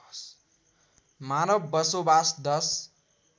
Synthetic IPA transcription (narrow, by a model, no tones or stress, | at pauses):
s | manʌbːʌsobasd̪ʌs